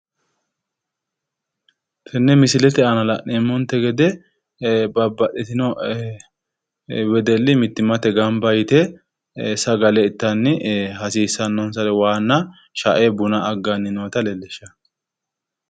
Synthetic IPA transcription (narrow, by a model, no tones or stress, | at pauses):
t̪ʰɛnːɛmɪsɪlɛt̪ɛɐnɐlɐʔɛmːɔnt̪ːɛɡɛd̪ɛ | bɐbːɐɗɛt̪ɪnɔ | wɛd̪ɛlːɪmɪt̪ːɪmɐt̪ɛɡɐmbɐjt̪ɛ | sɐɡɐlɛɪt̪ːɐnːɪhɐsiːsːɐnːɔnsɐlɛwaːnːɐ | ʃaʔebʊnɐɐɡːanːɪnoːt̪ɐlɛlːɛʃːɐ